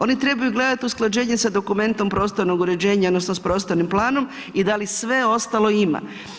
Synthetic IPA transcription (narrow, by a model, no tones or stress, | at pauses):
o̞nit̪ɾe̞bajuɡle̞d̪at̪iusklˠad͡ʒe̞ːɲesad̪o̞kume̞nt̪o̞mpɾo̞ːst̪oɾno̞ɡuɾe̞d͡ʑe̞ːɲao̞d̪nosnospɾo̞ːst̪o̞ɾnimplˠaːno̞m | id̪alisʋe̞o̞st̪alo̞ima̰